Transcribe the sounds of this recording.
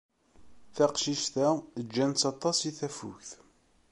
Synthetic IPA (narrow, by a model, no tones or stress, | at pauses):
θæqʃiʃt̪æəd͡ʒːænt͡sːɑt̪ˤːɑsiθæfʊ̰çθ